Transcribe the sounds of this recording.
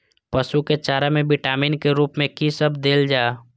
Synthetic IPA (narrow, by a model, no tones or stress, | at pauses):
pəʃuket͡ʃaːɾamẽbɪʈaːminkeɾuːpmẽkisəbʱd̪eːld͡ʒaː